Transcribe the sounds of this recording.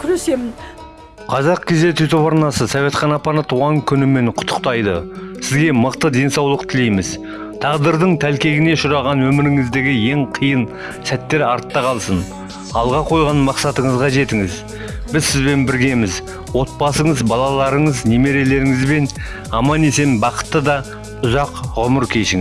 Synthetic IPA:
kʲʰɾesemɪn | qʰɑzɑqkʲʰe̞ze̞t̪yjt̪opɑɾnɑsəsɑve̞t̪χɑnɑpɑnɑt̪ʰuʁɑŋkʲʰʏnɪme̞ɴqʰʊ̥t̪ʰːə̥qt̪ɑjd̪ə̰sɪzɡʲe̞məqt̪əd̪e̞nsɑwlˠəq̚t̪ʰɪle̞jmɪz | t̪ʰɑʁd̪əɾd̪əɴt̪ʰælkʲe̞ɡʲɪne̞ʃʊɾɑʁɑnwɵmɪɾɪŋɪzd̪eɡʲɪje̞ŋqʰijən | sæt̪ːe̞ɾɑɾt̪ːɑqʰɑlˠsən | ɑlˠʁɑqʰo̞jʁɑnmɑqsɑt̪əɴəzʁɑʒe̞t̪ɪŋɪz | b̥ɪzsɪzbe̞nbɪɾɡʲe̞mɪz | wo̞t̪̚bɑsəɴəzbɑlˠɑlˠɑɾəɴəzneme̞ɾe̞le̞ɾɪŋɪzbe̞n | ɑmɑne̞se̞nbɑqə̥t̪ːəd̪ɑ | ʊzɑqʁʊməɾkʲʰe̞ʃɪŋɪ

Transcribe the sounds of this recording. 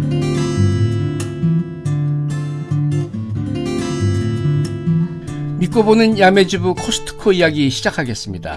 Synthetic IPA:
mik͈obonɯnjame̞d͡ʑibukʰosʰɯ̥tʰɯ̥kʰoijaɡiɕʰid͡ʑakʰaɡe̞s͈ɯmɲida̰

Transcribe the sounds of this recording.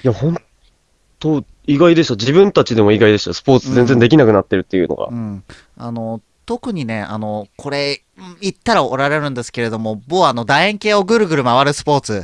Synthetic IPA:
jahõ̞n | t̪o̞ | iɡaid̪e̞ɕad͡ʑibɯ̟̃nt̪at͡ɕid̪e̞mo̞iɡaid̪e̞ɕosɨ̥po̞ːt͡sɨzẽ̞nd͡ze̞nd̪ekʲinakɯnat̪ːe̞ɾɯ̟t̪ːejɯ̟̰no̰ɡa̰ɯ̟̃ɴ | a̰no̞ | t̪o̞kɯ̟ɲ̟ine̞a̰no̞kʰo̞ɾe̞ | it̪ːaɾao̞ɾaɾe̞ɾɯ̟̃nd̪e̞sɨ̥ke̞ɾe̞d̪o̞mo̞boːano̞d̪aẽŋke̞ːo̞ɡɯ̟ɾɯ̟ɡɯ̟ɾɯ̟maβaɾɯ̟sɨ̥po̞ːt͡sɨ

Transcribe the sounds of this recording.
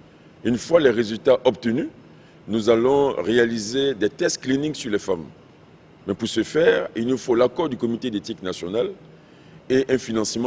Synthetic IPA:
ynfwalɛʁezylt̪aʔɔp̚t̪əny | nuzalɔ̃ʁealized̪ɛt̪ɛst̪̚klinĩŋɡsyʁlɛfamː | ɛpuʁsəfɛːʁilnufolakɔʁd̪ykɔmit̪ed̪et̪iknasjɔnal | eʔɛ̃finɑ̃simɑ̃

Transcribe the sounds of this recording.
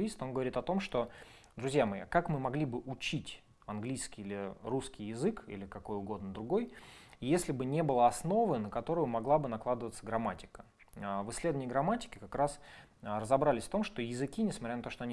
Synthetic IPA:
ist̪o̞nɡəvɐɾʲit̪ɐt̪o̞mʂt̪o̞ | d̪ɾʊzʲjamɐḭkakmɨmɐɡlʲibɨʔʊt͡ɕitʲ | ɐnɡlʲijskʲɪjlʲɪɾuskʲɪjjɪzɨkḭlʲɪkɐko̞jʊɡo̞d̪nəd̪ɾʊɡo̞jjesʲlʲɪbɨnʲe̞bɨlˠəɐsno̞vɨnəkɐt̪o̞ɾʊjʊmɐɡlˠabɨnɐklˠad̪əvət̪səɡɾɐmatʲɪ̥kə̥ | əvɨslʲed̪vənʲjəɡɾɐmatʲɪ̥kʲɪkɐkɾas | rəzɐbɾalʲɪsʲft̪o̞mʂt̪o̞jɪzɨkʲinʲɪsmɐt̪ʲɾʲanɐt̪oʂt̪o̞ɐnʲi

